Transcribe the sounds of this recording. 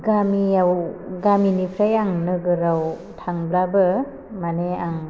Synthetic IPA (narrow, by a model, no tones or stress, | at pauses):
ɡamiawɡaminipʰɾajaŋnɯɡɯɾaw | tʰaŋblabɯ | maneaŋ